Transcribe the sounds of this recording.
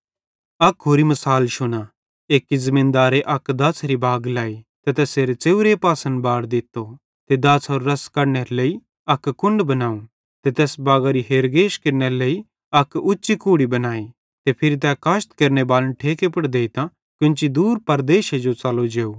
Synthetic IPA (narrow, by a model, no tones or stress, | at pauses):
ɐkɦoːɾimɐsaːlʃʊna | eːkːizɐmɪ̃ːnd̪aːɾeʔɐkd̪ɐːsɾibaːɡlaːit̪et̪ɛːseːɾet͡seːuɾepaːsə̃nbaːɽd̪ɪt̪ːo | t̪ed̪ɐːsoːɾːɐskɐɾneɾeleːi | ɐkkʊ̃ɳɖbɐnaːũ | t̪et̪ɛːsbaːɡaɾiɦeːɾɡeːʃkeɾneɾeleːi | ɐkʊtːʃikuːɽibɐnaːi | t̪epʰɪɾit̪̬ɛkaːʃt̪keːɾñebaːlənʈʰeːkepɐɽd̪eːit̪ã | kʊ̃nt͡ʃid̪uːɾpɐɾd̪eːʃed͡ʒot͡saːlod͡ʒeːuː